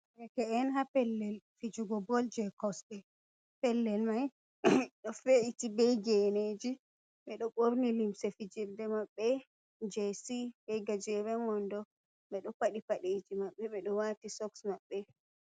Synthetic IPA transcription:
ɾɛkɛɛnɦapɛlːɛlfid͡ʒuɡɔbɔld͡ʒɛkɔsbɛ | pɛlːɛlmaj | ɗɔfeitibɛjɡɛned͡ʒi | ɓɛɗɔɓoɾnilimsɛfid͡ʒiɾdɛmaɓːɛ | d͡ʒɛsibɛjɡad͡ʒɛɾɛmɔndɔ | ɓɛɗɔpaɗipaɗed͡ʒimaɓːɛɓɛɗɔwatisɔksmaɓːɛ

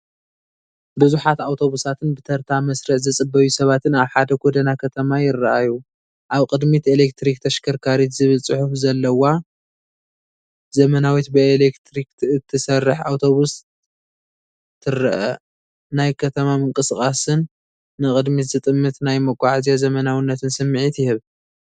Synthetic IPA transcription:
bɨzuħat̪awt̪ʰo̞βusat̪ʰɨnbɨt̪ʰɐɾt̪ʰamɐsɾɨħzɨt͡sʼɨbːɐjusɐβat̪ʰɨnaβħad̪ɐɡʰod̪ɐnakʰɐt̪ʰɐmajɪrːaʔaju | ʔaβkʼɨd̪mit̪elek̚t̪ɾik̚t̪ʰɐʃkʰɐɾkʰaɾit̪zɨβɨlt͡sʼɨħufzɐlːɐwa | zɐmɐnawit̪bɨelekt̪ɾik̪ɨt̪ʰːɨsɐrːɨħa̰wt̪ʰo̞βus | t̪ʰɨɾːɐʔɐ | najkʰɐt̪ʰɐmamɨŋkʼɨskʼasɨnː | ɨkʼɨd̪mit̪zɨt̪ʼɨmːɨt̪najmɐkʼaʕzijozɐmɐnawinːɐt̪ʰɨnsɨmːɨʕit̪jɪhɨβ

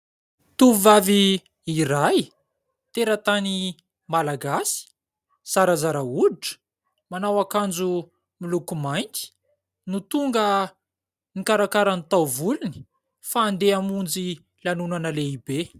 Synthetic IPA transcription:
t̪uuvaviː | raj | t̪eɾət̪ani | malaɡasi̥ | saɾazaɾauʈ͡ʂə̥ | manawakand͡zu | milukumajnt̪i̥ | nut̪uŋɡə | nikaɾakaɾanit̪awvuluni̥ | faːnd̪eamund͡zi | lanunanəleibe

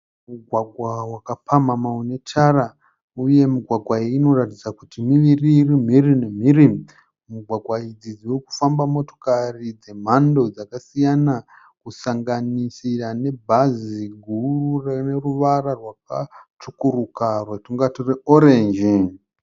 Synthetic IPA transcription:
muɡʱwaɡʱwawakapamamaune̞t͡ʃara | uje̞muɡʱwaɡʱwaiːno̞ratid͡zakutimiʋiriːrim̤irine̞m̤iri | muɡʱwaɡʱwaid͡zid͡ziweku̥fambamo̞to̞̥karid͡ze̞m̤ando̞d͡zakasijana | kusaŋɡanisirane̞bʱaziɡʱururne̞ruʋararwakat͡ʃukurukarwetuŋɡatoreoɾend͡ʒi

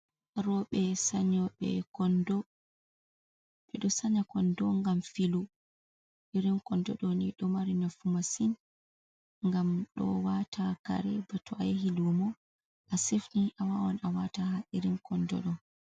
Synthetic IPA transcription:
ɾɔɓɛsaɲɔɓɛ̰kɔndɔ | ɓɛɗɔsaɲakɔndɔŋɡamfilu | ʔiɾinkɔndɔɗɔniɗɔmaɾinafumasin | ŋɡamɗɔ̰watʰaka̰ɾɛbatɔʔajeɦilumɔ | ʔasefniʔawawɔnawatahaʔiɾinkɔndɔ̰ɗɔ

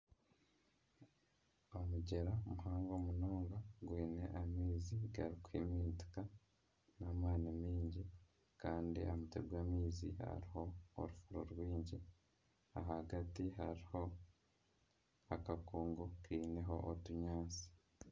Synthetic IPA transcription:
omuɟe̞ɾaomuɦaːŋɡomunoːŋɡaɡweːne̞̰ʔamiːziɡaɾikwḭmiːnti̥ka | naːmaːnamiːɲɟi | kaːndḭʔamuteɾɡwaːmiːziha̰ɾiho̞̰ːɾufuɾoɾɡwiːɲɟi | a̰ɦaɡatiɦaɾiho̞ | akakuːŋɡokiːne̞ɦo̞ʔotuɲaːnsi̥

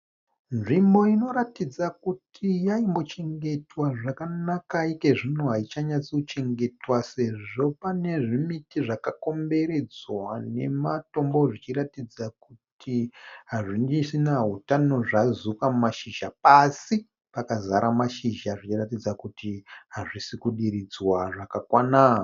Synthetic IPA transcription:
nʐimbo̞ino̞ɾatid͡zakutʰijaimbo̞t͡ʃe̞ŋɡe̞twaʐakanakaike̞ʐinoɦait͡ʃaɲat͡siut͡ʃe̞ŋɡe̞twase̞ʐo̞pane̞ʐimitiʐakako̞mbe̞ɾe̞d͡zwane̞mato̞mbo̞ʐit͡ʃiratid͡zakutʰiɦaʐind͡ʒisinaɦutano̞ʐazukammaʃiʒapasi | pakazaɾamaʃiʒaʐit͡ʃiratid͡zakutiɦaʐisikuɗiɾid͡zwaʐakakwana

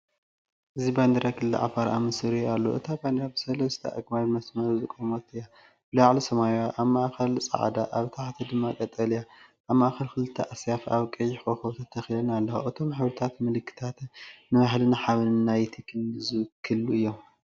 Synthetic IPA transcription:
ʔɨziband̪ɐɾakʰɨlːḭʕa̰faɾa̰mɨsɨɾialːo̰ʔɨ̰t̪ʰaband̪ɾabɨsɐlɐst̪ʰɐ̰ʔɐ̰ɡmaβmɐsmɐɾzɨkʼːomot̪ɨja | b̥ɨlaʕlisɐmajaʔaβmaʔxɐlsʼɐ̰ʕa̰d̪aʔaβt̪ʰaħt̪ʰid̪ɨmːakʼɐt̪ʼːɐlijaʔːβmaʔxɐlkɨlɨt̪ʰːɐʔasjafaβkʼɐjːɪħoxoβt̪ʰɐt̪ʰɐxilɐnalːɐwoʔɨt̪ʰo̞mːaħβɨɾt̪ʰat̪mɨlɨkʰːɨ̥t̪ʰat̪nɨβaħlɨnaħaβɨnnːajt̪ʰikʰɨnɨzukʰːɨlːuɨjːom

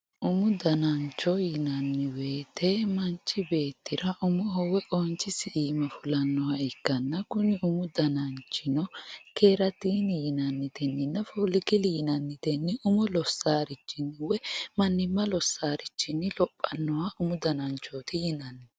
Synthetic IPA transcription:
ʔʊmʊd̪ɐnɐnt͡ʃːɔjɪnɐnːɪwe̞ːt̪ɛmɐnt͡ʃːɪbe̞ːt̪ːɪɾɐʔʊmʊɦɔwɛʔɔːnt͡ʃːɪsɪiːmɐfʊlɐnːɔwɐɪkːɐnːɐkʊnɪʊmʊd̪ɐnɐnt͡ʃːɪnɔke̞ːɾɐt̪iːnɪjɪnɐnːɪd̪ɛnːɪnːɐfoːlɪkɪlɪjɪnɐnːɪd̪̥ɛnːɪʔʊmʊlɔsːaːɾɪt͡ʃːɪnːɪwɛmɐnːɪmːɐlɔsːaːɾɪt͡ʃːɪnːɪlɔpʼːɐnːɔwɐʔʊmʊd̪ɐnɐnt͡ʃːoːt̪ɪjɪnɐnːɪ

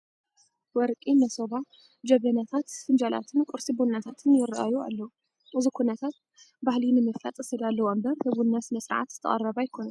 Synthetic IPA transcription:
wɔɾkʼinɐsoβa | d͡ʒɐβɐnat̪ʰat̪hɨnd͡ʒalʔa̰t̪ʰɨnkʼʊɾsibunːat̪ʰat̪ʰɨnjɪra̰jua̰lːɐwu | ʔɨzukʰunɐt̪ʰat̪̚ | bahlinɨmɨfɐ̰t̪ʼɨsɐd̪alːɐwombɐɾhɨβunːasɨnɐsʼɨɾʕa̰t̪z̥ɨt̪ʰɐ̰χʼɐrɐβajɪkʰonɐn

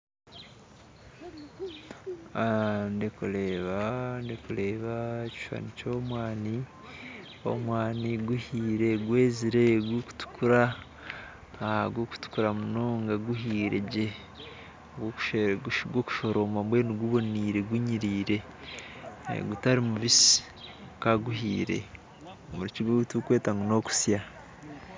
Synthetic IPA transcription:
andekuleβandekuleːβaci̥ʃa̰nicomwaːni | o̰mwaːniɡuhiːɾe̞ɡweːziɾe̞ɡwuku̥tu̥kuɾa | aɡoku̥tu̥kuɾamunoŋɡaɡuɦiːɾe̞̰ɟe | ɡwoku̥ʃeʃɡwoku̥ʃo̞ɾoːmambwe̞ːniɡuβo̞niːɾe̞ɡuɲiɾiːɾe̞ | ḛɡutaɾimuβisi̥ | kaɡuhḭːɾe̞̰ | muɾiciɡoɡutukwe̞ːtaŋɡono̞ku̥sja

